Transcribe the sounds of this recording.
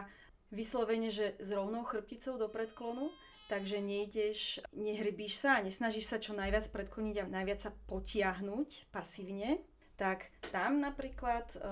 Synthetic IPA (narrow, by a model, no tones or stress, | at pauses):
ʋislɔʋɛɲɛʒɛzɾɔʊnɔʊxr̩p̚cit͡sɔʊd̪ɔpɾɛt̪klɔnu | t̪aɡʒɛɲɛiɟɛʃɲɛɦɾibiːʃsaːɲɛsnaʒiʃsat͡ʃɔnajʋɪat͡spɾɛt̪klɔɲiɟanajʋɪat͡sːapɔcɪaɦnucpasiːʊɲɛ | t̪akt̪amnapɾiːklat̪